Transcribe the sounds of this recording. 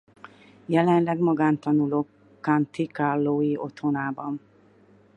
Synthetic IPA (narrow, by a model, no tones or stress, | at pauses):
jɛlɛnlɛɡmɒɡaːnt̪ɒnuloːk | kːant̪ikalːoːjiot̪ho̞naːbɒn